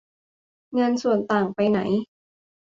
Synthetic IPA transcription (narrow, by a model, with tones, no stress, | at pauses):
ŋaː˧nsu˨˩ənt̪aː˨˩ŋpa˧jna̰˩˦j